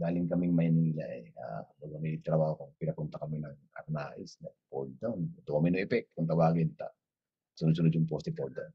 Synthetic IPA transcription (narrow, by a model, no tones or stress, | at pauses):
d̪aːlɪŋkɐmɪŋmɐjniːla̰ʔɛa̰ːbaɡɐmɛit̪ɾɐbaːhokopɪnɐpʊnt̪ɐkɐmɪnɐŋʔɐ̰t̪̚na̰ːʔɪsnɐpold̪̚d̪onɛt̪okɐmɪnʊŋʔɛpɛk̚t̪kʊŋt̪ɐwaːɡɪnt̪a̰ | sʊnʊd̪s̬ʊnʊd̪jʊŋpost̪ɪpold̪on